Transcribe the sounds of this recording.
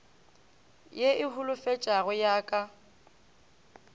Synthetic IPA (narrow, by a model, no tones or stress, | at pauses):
jeʔɪɦʊlʊfet͡ʃʼaɣʊjaːkʼa